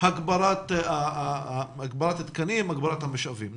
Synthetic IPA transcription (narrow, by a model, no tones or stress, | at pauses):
haɡbaɾat̪a | aɡbaɾat̪hat̪kanimaɡbaɾat̪hameʃavim